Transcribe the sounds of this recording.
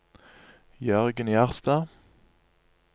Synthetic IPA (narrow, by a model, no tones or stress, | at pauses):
jœʁɡənjæʁst̪ɑː